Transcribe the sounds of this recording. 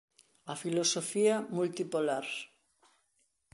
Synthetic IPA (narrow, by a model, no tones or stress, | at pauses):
afilosofiamult̪ipolaɾ